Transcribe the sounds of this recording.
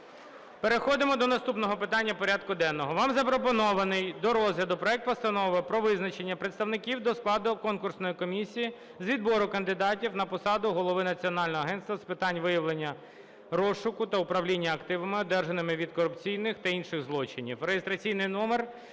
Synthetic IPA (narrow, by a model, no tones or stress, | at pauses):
peɾexɔd̪ɪmɔd̪ɔnɐst̪upnɔɦɔpɪt̪ɑnʲːɐpɔɾʲad̪kʊd̪ɛnːɔɦɔʋɑmzɐpɾɔpɔnɔʋɐnɪjd̪ɔɾɔzɦlʲɐd̪ʊpɾɔɛk̚t̪̚pɔst̪ɐnɔʋɪpɾɔʋɪznɐt͡ʃenʲːɐpɾet̪st̪ɐwnɪkʲiwd̪ɔsklˠɑd̪ʊkɔnkʊrsnɔjikɔmʲisʲiji | zʋʲid̪bɔɾʊkɐnd̪ɪd̪ɑtʲiwnɐpɔsɑd̪ʊɦɔlˠɔʋɪnɐt͡sʲiɔnɑlʲnɔɦɔɐɦɛnt̪st̪ʋɐspɪt̪ɑnʲʋɪjɐʋlˠenʲːɐ | ɾɔsʊkʊt̪ɐʊpɾɐwlʲinʲːɐːkt̪ɪʋɐmɪɔd̪ɛrʒenɪmɪʋʲid̪̚kɔɾʊpt͡sʲijnɪxt̪ɐinʃɪɣzlˠɔt͡ʃɪnʲḭwɾejest̪ɾɐt͡sʲijnɪjnɔmer